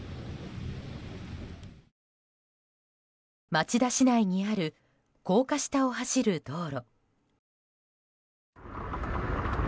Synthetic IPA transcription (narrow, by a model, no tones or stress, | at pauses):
mat͡ɕid̪aɕinaiɲ̟iaɾɯ̟ | ko̞ːkaɕi̥t̪ao̞ɦaɕiɾɯ̟d̪̥o̞ːɾo